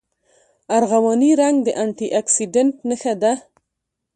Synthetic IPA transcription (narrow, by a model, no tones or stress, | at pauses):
aɾɣawɑniɾaŋɡd̪əʔaɳʈiʔaksiɖanʈnəxad̪a